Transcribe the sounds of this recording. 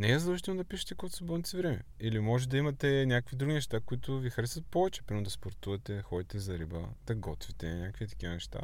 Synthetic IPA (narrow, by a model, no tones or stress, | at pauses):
nɛɛzd̪ɐlˠʒit̪ɛlˠnod̪ɐpiʃɛ̥t̪ɛkɔjt̪ʊ̥səbɔlˠnʲt̪sivɾɛmɛ̰ | ilimɔʒɛd̪ɐimɐt̪ɛnʲakəkvid̪ɾuɡʲinɛʃt̪akʊit̪ʊvixɐɾɛsvɐət̪̚pɔvɛt͡ʃɛ̥pɾʲimod̪ɐspoɾt̪uvɐt̪ɛxɔd̪it̪ɛzɐɾibə̰d̪̥ɐɡɔt̪vit̪ɛnʲakkvit̪ɐ̥k̟ʲivɐnɛʃt̪a̰